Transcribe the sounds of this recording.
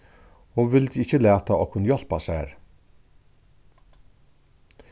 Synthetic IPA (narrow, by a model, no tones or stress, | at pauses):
oːʋɪld̪ɪçəlæːt̪aoːkʰʉnəjɔl̥pashæːɾ